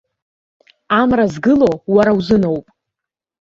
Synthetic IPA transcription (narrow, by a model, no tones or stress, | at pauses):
amrazɡɨlo̞waɾawzɨno̞wpʼ